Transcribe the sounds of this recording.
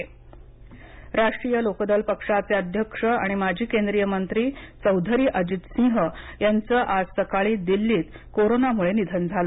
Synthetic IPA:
ɾaʂʈɾijəlokd̪əlpəkʂat͡seəd̪ʱjəkʂəa̰ɽ̃imad͡ʑʱiːkend̪ɾijəmənt̪ɾiːt͡səwd̪ʱəɾiːʔəd͡ʑit̪sĩŋɦəjant͡səʔasəkaɭiːd̪ilːiːt̪ | koɾonamuɭenid̪ʱənd͡zʱalə

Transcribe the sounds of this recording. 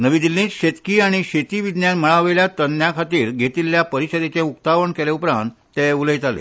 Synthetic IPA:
nəʋid̪ilːĩːt̪ɕet̪kiːaɽ̃iɕet̪iːʋid̪njanməɭaʋeljat̪ənːjakʰat̪iːɾɡʱet̪iːlːjapəɾiɕəd̪et͡seukt̪aʋəɳkeleupɾãnt̪ːeuləjt̪alḛ

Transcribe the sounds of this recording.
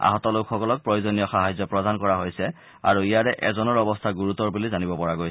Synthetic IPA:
a̰ɦɔtɔlokʰxɔkɔlɔk̚pɹojozɔnijɔxaɦajzɔpɹɔdankɔɹaɦojsɛ | a̰ɹuijaɹɛʔɛ̰zɔnɔɹɔbɔstʰaɡuɹutɔɹbulizanibɔpɔɹaɡojsɛ

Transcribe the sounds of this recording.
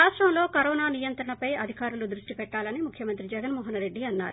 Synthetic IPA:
aːʂʈɾɐmlo̞ːkɐɾɔːnaːnijɐnt̪ɾɐɳɐpɐjɐd̪ʱikaːɾulud̪ɾuʂʈipɛʈːaːlɐnimukʰjɐmɐnt̪ɾid͡ʒɛɡɐnmɔːɦɐnɾe̞ɖːiɐnːa̰ːɾu

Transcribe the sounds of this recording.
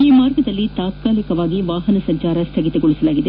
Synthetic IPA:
iːmaːɾɡɐd̪ɐlːit̪aːt̪̚kaːlikɐʋaːɡiʋaːɦɐnɐsɐɲt͡ʃaːɾɐst̪ʰɐɡit̪ɐɡɔɭisɐlaːɡid̪e

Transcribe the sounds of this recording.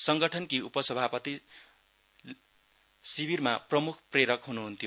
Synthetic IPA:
sʌŋɡʌʈʰʌnkiupʌsʌbʱapʌt̪i | sibirmaprʌmukʰpreɾʌkɦunuɦunt̪ʰijo

